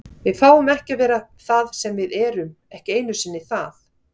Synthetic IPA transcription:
vɪðfaːwʏmɛhcavɛːɾaθaðsɛmvɪðɛːɾʏm | ɛhcɪeːjnʏsɪnːɪθaθ

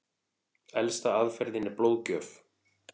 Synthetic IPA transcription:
ɛlst̪aaðfɛɾðɪnːɪploːwðcœːf

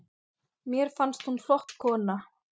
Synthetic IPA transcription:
mjɛɾ̥fanst̪hunl̥ɔht̪kʰɔːna

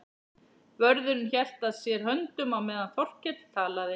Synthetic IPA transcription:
vœɾðʏnnçɛl̥t̪aðsjɛɾ̥hœnt̪ʏmamɛːðanθɔr̥cːɛt̪t̪ʰaːlaðɪ

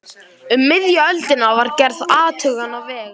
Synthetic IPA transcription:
ʏmːɪðjaœlt̪ɪnavaɾcɛɾðaːt̪ʰʏɣanavɛːɣ

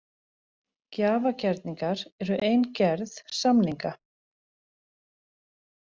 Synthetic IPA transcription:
caːvacɛɾt̪niŋkaɾɛɾʏʔejncɛɾðsamniŋka

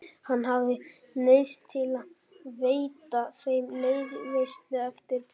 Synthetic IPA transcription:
hanːɦavðɪ | nejst̪ʰːɪlað | veːjt̪asejmnejðlejst̪lɪɛft̪ɪɾ

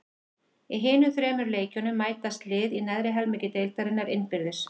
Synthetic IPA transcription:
iɦɪːnʏθɾɛːmʏɾleːjcʏnʏmːaːjt̪ast̪lɪːðinɛðɾɪɦɛlmɪːcɪt̪eːjlt̪aɾɪnːaɾɪnːpɪɾðʏs

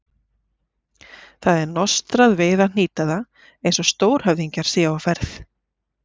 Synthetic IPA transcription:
θaðɛɾnɔst̪ɾaðveːðan̥iːt̪aða | ejnsɔst̪oːwɾ̥hœvðiɲcaɾ̥sɛːawfɛɾθ

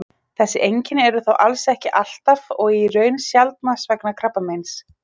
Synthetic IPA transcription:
θɛsːɪʔejɲcɪnɪɛɾʏθowʔalsɛhcɪʔal̥t̪avɔɣirœːɥnsjalt̪̚masvɛknakʰɾapːamejns

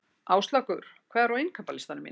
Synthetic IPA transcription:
ʔaːwst̪lakʏɾ̥ | kʰvɛːðaɾawejnkʰampalɪst̪anʏmḭn

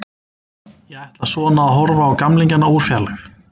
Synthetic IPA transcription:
jɛɣajht̪laðsɔːnaðaɦɔɾvaːwkamliɲcanːauɾ̥fjalaθ

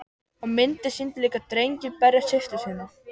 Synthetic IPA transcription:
ɔmɪnt̪ɪsint̪liːkat̪ɾejɲcɪnpɛrjasɪft̪ɪsɪːnɪ

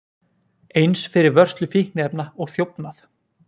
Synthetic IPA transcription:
ejnsfɪɾɪɾvœr̥st̪lʏfihnɛpnaɔɣθjowpnaθ

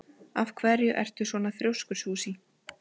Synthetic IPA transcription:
afkʰvɛɾjʏʔɛ̰r̥t̪ʏ̥svɔːnaθɾjowskʏɾ̥suːsi

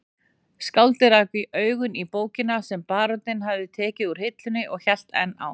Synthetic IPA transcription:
skawlt̪ɪɾaːkvɪʔœːɥɣʏnipoːwcɪnasɛmpaːɾɔt̪ɪnɦavðɪt̪ʰɛːcɪðuɾ̥hɪt̪lʏnːɪʔɔɣçɛl̥t̪ɛ̰nːa̰w

